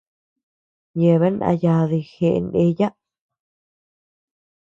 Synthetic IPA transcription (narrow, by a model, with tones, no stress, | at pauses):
je˧˨βe˦nã̰˧ja˧ði˧xe˧ʔne˧ja˦